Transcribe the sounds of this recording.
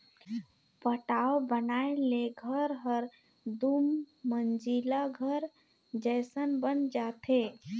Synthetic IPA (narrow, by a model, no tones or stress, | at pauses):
pəʈaobənaeleɡʱəɾɦəɾ | d̪umːənd͡ʒilaɡʱəɾ | d͡ʒəjsənbənd͡ʒat̪ʰe